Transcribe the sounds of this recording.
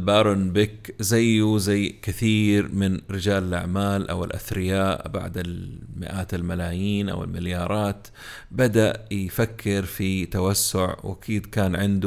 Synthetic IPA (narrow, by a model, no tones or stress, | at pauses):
baːɾˤʊnbɪkzajːuzajkɪθiːɾmɪnɾɪd͡ʒaːlɪlʔa̰ʕmaːlʔa̰wɪ̰lʔa̰θɾɪjaːʔba̰ʕd̪ɪlmɪ̰ʔaːt̪ɪlmalaːjiːnʔa̰wɪ̰lmɪljɑːɾˤɑːt̪ | bad̪aʔjfakʰːɪɾfit̪awasːʊʕwʔa̰kʰiːd̪kaːnʕɪnd̪